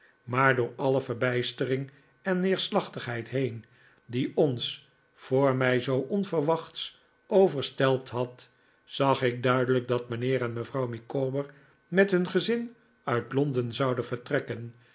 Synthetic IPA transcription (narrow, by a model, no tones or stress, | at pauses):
maːɹdʊːɹɑləvəɹbɛjstərɪŋ | ɛnːɪːɹslɑχtəχɦɛjtɦejn | diɔns | fʊːɹmɛjzowʔɔnvərʋɑχts | ʔowvəɹstɛlˠp̚tɦɑt | z̥ɑχɪk̚dœɥdələk̚dɑtmənɪːɾɛnməvrɑwmikobəɹ | mɛtɦɵnχəzɪn | œɥtlɔndənzɑwdənvəɹtrɛkən